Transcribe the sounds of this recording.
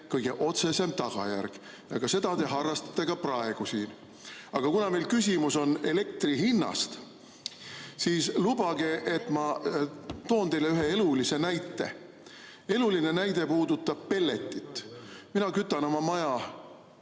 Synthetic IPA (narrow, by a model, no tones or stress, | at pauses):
kɤjɡ̥e̞ʔo̞t̪se̞se̞mt̪ɑɡ̥ɑ̰jæ̰rɡ̥ | jɑkɑse̞d̪̥ɑt̪e̞ɦɑrːɑst̪ɑ̥t̪ːˑe̞ɡ̥ɑprɑe̞ɡ̥usiːn | ɑɡ̥ɑkunɑme̞jlkys̬ʲimuso̞ne̞le̞k̚t̪riɦinːɑ̰st̪ | siːslubɑɡ̥e̞ʔet̪ːˑmɑ | t̪o̞ːnt̪e̞jleyɦe̞e̞lulise̞næjt̪ːˑe̞̰ | e̞luline̞næjd̪e̞puːd̪ut̪ːˑɑb̥̚pe̞lːe̞t̪ːˑit̪ːˑminɑkyt̪ːˑɑno̞mɑmɑjɑ